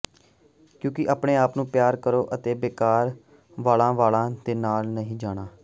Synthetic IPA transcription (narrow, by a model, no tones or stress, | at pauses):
kjõːkɪʔaːpɽeːaːpnũːpjaːɾkəɾoːʔət̪eːbeːkaːɾ | ʋaːlãːʋaːlãːd̪eːnaːlnəɦĩːd͡ʒaːɽ̃aː